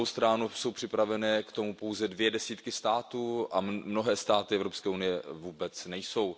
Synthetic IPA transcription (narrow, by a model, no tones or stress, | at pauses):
owst̪ɾanuso̞wpr̝̥ɪpɾavɛnɛːkt̪o̞mupo̞wzɛdvjɛdɛsiːt̪kɪst̪aːt̪uːʔamno̞ɦɛːst̪aːt̪ɪɛvɾopskɛːunɪjɛvuːbɛt͡snɛjso̞w